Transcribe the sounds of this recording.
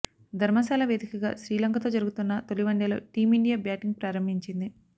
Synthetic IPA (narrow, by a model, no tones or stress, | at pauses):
d̪ʱɐɾmɐsaːlɐʋeːd̪ikɐɡa̰ːʃɾiːlɐŋkɐt̪o̞ːd͡ʒɐɾuɡut̪unːɐt̪oliʋɐɳɖeːlo̰ːʈiːmiɳɖijaːbjaːʈiŋɡ̚pɾaːɾɐmbʱiɲt͡ʃind̪i